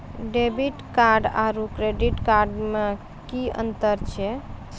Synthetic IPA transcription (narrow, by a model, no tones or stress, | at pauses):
ɖebiʈkaɾɖaɾukɾeɖiʈkaɾɖme | kiə̰nt̪əɾt͡ʃʰɛ